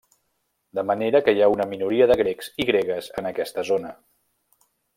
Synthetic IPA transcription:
d̪əməneɾəkəjaunəminuɾiəðəɣɾekziɣɾeɣəzənəkɛst̪əzonə

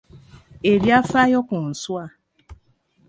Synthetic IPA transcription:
eɾiafajɔkʊn̩swa

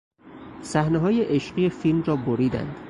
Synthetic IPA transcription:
sæhneɦɒːje̞ʔeʃɢijefilmrɒːboɾiːd̪æ̰nd̪̥

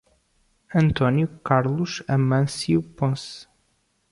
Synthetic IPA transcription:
ɐ̃nt̪ɔnjukaɾlˠuʃɐmɐ̃siupõs

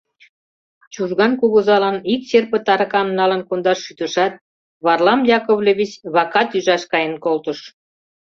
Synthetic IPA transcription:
t͡ɕuʒɣɑnkuɣuzɑlɑnikɕerpət̪ɑɾɑkɑmnɑlə̆nkond̪ɑʃːyt̪əʃɑt̪̚ | βɑrlɑmjɑkoβlʲeβʲit͡ɕβɑkɑt̪yʒɑʃkɑjə̆nkolt̪əʃ

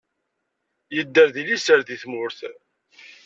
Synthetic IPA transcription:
jəd̪ːəɾðilisəɾðiθmʊɾθ

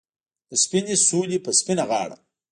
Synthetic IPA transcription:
d̪̥əspinisuːlipəspinaɣɑːɽa̰

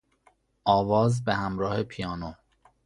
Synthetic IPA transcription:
ʔɒːvɒːzbehæmɾɒːhe̞pʰijɒːno

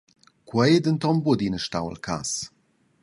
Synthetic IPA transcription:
kwɛjd̪ənt̪ɔmbud̪inəʃtawə̰lkʰa̰s

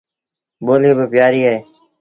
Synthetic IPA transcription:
ɓoːleːbəpɪjaːɾiːaɦeː

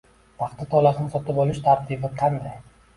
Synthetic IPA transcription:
pʰɑχt̪ʰat̪ʰɒlasɪnɪsɒt̪ɪpɒlˠɪʃt̪ʰaɾt̪ʰɪbɪqʰɑnd̪aj

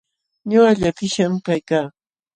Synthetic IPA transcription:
ɲoɢɑʎat̪ɪʃamkajkaː

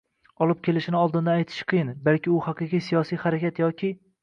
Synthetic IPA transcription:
ɒlˠɪp̚kʲʰe̞lɪʃɪnɪɒlˠd̪ɪnd̪aajt̪ʰɪ̥ʃqʰɨjɪnbalkʲʰɪʊhaqɨqijsijɒsijhaɾakʲat̪jɒkʲʰɪ

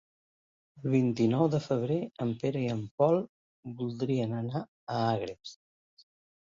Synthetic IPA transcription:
əlˠβ̞int̪inɔwðəfəβ̞ɾeəmpeɾəiəmpɔlˠ | bulˠd̪ɾiənəna | əaɣɾes

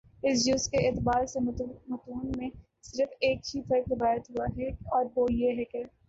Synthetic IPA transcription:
ɪsd͡ʒʊskeɪːt̪ɪbaːɾsemɐt̪uːnmẽ | sɪɾəfeːk̚t͡ʃʰiːfɐɾkɾɪʋaːjət̪ɦuaɦɛɔːɾboːjeɦɛke

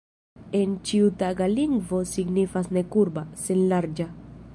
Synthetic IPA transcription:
ent͡ʃiutaɡaliŋɡvo̞siɡnifasnekuɾbasenlaɾd͡ʒa

